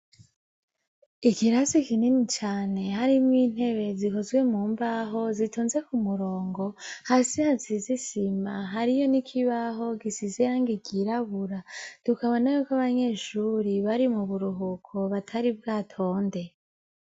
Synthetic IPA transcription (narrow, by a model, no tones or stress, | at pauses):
ikiɾazikininit͡ʃaːne̞haɾimwiːn̥he̞βe̞ziko̞zɡwe̞muːmbaɦo̞zitʰoːnze̞kumuɾo̞ːŋɡo̞hasihazizisimaɦaɾijo̞nikʰiβaɦo̞ɡisizejaŋɡiɡiɾaβuɾatukaβo̞najokaβaɲe̞ʃuɾiβaɾimuβuɾuɦukʰo̞βatʰaɾib̚ɡaːtʰo̞ːnde̞